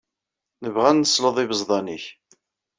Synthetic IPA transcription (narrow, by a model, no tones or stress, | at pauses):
nəvʁænːəsləðˤɪvəzˤðˤɑniç